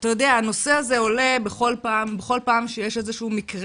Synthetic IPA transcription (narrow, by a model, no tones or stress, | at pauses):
tajo̞deaːno̞se̞aze̞o̞le̞beχo̞lpaːmbeχo̞lpaːmʃejeʃezeʃuumikʁ